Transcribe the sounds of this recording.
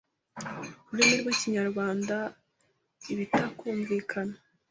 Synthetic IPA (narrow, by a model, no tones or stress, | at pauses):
uɾimiɾwiciɲaɾɡaːnda | iβitakuːɱviːkʰana